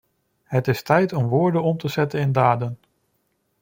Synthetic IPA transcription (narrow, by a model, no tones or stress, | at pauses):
ɦətɪstɛjtɔmʋʊːɹdənɔmtəzɛtənɪndaːdən